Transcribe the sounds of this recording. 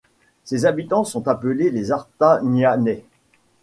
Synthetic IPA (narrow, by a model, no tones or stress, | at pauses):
sezabit̪ɑ̃sɔ̃t̪apəlelezaʁt̪anjanɛ